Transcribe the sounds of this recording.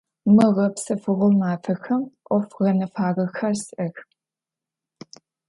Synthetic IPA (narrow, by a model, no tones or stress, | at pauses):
mɨʁɐpsɐfɨʁʊlmaːfʰɐxɐmʔʷɔfʁɐnɐfaːʁɐxɐrsʔɐx